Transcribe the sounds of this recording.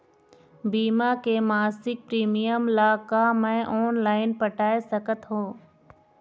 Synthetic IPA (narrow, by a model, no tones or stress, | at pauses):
biːmakemaːsɪk̚pɾiːmijəmlaːkamɛ̃ʔɔːnlaːɪnpəʈaːesɐkət̪ɦõː